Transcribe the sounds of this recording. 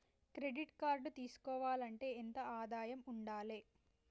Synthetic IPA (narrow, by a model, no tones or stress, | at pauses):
kɾe̞ɖiʈkaːɾɖt̪iːsu̥kɔːʋaːlɐɳʈe̞ːent̪ɐaːd̪aːjɐmuɳɖaːleː